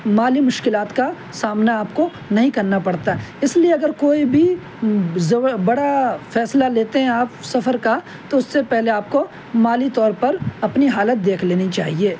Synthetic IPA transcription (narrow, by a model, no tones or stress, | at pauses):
maːlimʊʃkɪlaːt̪ka | saːmnaaːpko | nɐɦĩkɐɾnapɐɽt̪aɦɛɪslieɐɡəɾkoːibʱi | zɐbɐɽafɛːslaleːt̪eɦɛ̃aːpsɐfəɾka | t̪oʊsːepɛɦleaːp̚ko | maːlit̪ɔːɾpɐɾɐpniɦaːlət̪̚d̪eːkʰleːnit͡ʃaːɦieː